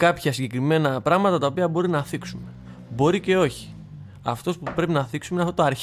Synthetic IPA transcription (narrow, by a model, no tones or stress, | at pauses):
kɐpçɐsiɲɟe̞kɾime̞nɐpɾɐɣmɐt̪ɐt̪ɐo̞piɐbo̞ɾinɐθiksume̞ | bo̞ɾice̞o̞çi̥ | ɐ̰ft̪o̞spupɾe̞pinɐθiksumenɐft̪ot̪ɐɾç